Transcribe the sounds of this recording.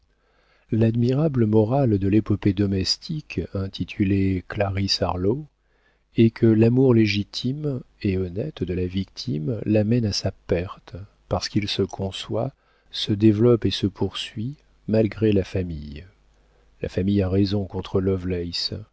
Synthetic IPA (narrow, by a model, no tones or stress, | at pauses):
lad̪miʁabləmɔʁald̪əlepɔped̪ɔmɛst̪ʰikɛ̃t̪ʰit̪ʰyleklaʁisaʁlo | ɛkʰəlamuʁleʒit̪ʰimeɔnɛt̪d̪əlavik̚t̪ʰimlamɛnasapɛʁt̪ | paʁsə̥kilsəkʰɔ̃swa | səd̪evlɔpesəpʰuʁsɥi | malɡʁelafamij | la̰famijaʁezɔ̃kɔ̃t̪χəlɔvlɛjs